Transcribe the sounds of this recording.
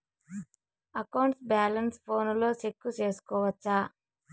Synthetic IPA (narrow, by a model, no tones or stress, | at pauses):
ɐkɐwɳʈsbaːlɐnspʰo̞ːnulo̞ːsekːut͡ʃe̞ːsu̥kɔːʋɐt͡ʃːa